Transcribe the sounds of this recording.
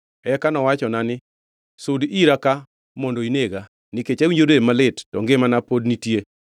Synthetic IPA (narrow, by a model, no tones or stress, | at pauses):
ɛkanɔwat͡ʃɔnanɪ | sodiɾaka | mɔndoineɡa | nɪket͡ʃawiɲd͡ʒoɾemalɪtːɔŋɡɪmanapod̚nitje